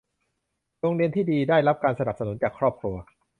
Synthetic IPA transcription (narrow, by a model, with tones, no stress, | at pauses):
ɾoː˧ŋɾi˧ənt̪ʰiː˥˩diː˧daː˥˩jɾa˦˥p̚kaː˧nsa˧na˨˩p̚sa˧nu˩˦nt͡ɕaː˨˩kʰɾɔː˥˩p̚kʰɾu˧ɐ